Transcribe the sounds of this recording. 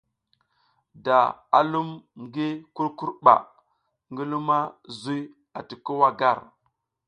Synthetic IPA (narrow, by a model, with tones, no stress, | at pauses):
da˨a̰˨lu˦mɡi˦ku˦ɾku˦ɾɓa̰˨ | ŋɡi˦lu˦ma˦zu˦j | a˨ti˨ku˦wa˦ɡa˦˨ɾ